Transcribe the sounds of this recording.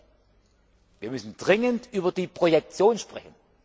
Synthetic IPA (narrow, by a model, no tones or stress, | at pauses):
viːɐmʏsn̩dʁɪŋəntʔyːbɐdiːpʁ̥ojɛk̚t͡sjoːnʃpʁ̥ɛçn̩